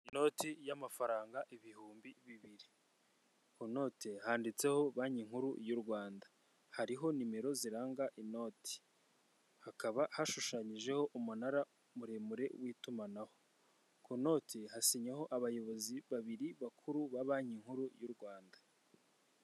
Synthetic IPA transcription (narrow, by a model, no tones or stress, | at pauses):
ino̞tijamafaɾaːŋɡaʔiβihuːmbiβiβiɾi | kono̞tehaːndit͡se̞ho̞βaːɲiŋ̥huɾṵjuɾɡwaːnda | haɾiɦo̞nime̞ɾo̞ziɾaːŋɡaʔino̞ti̥ | hakaβahaʃuʃaːɲiʒe̞ho̞ʔumunaɾa | muɾe̞muɾe̞̰wiːtumanaho̞ | kono̞ːtʰehasiɲeho̞ʔaβajo̞βo̞ziβaβiɾiβakʰuɾuβaβaɲiŋ̥huɾujuɾɡwaːndḁ